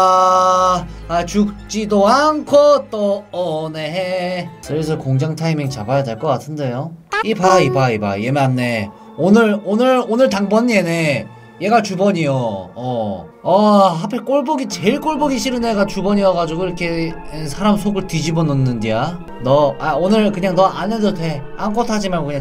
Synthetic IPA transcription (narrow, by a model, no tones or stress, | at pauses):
a | at͡ɕuk̚t͡ɕ͈idoaŋkʰot͈oːneɦet͡ɕʌes̬ʰʌkoŋd͡ʑaŋtʰaimeŋt͡ɕabajade̞ɭk͈ʌk͈atʰɯnde̞joibaibaiba̰jemanːe̞ | onɯɭonɯɭonɯɭtaŋbʌɲiene̞ | je̞ɡat͡ɕubʌɲijoʌ | ʌɦapʰek͈oɭboɡit͡ɕe̞ɭk͈oɭboɡiɕʰiɾɯne̞ɡat͡ɕubʌɲiaɡad͡ʑuɡoiɾʌkʰe̞ | sʰaɾamsʰoɡɯɭtid͡ʑibonɯnːɯndia | nʌaonɯɾkɯɲaŋnʌʔanedotʰe̞ank͈otʰad͡ʑimaɭkkɯɲa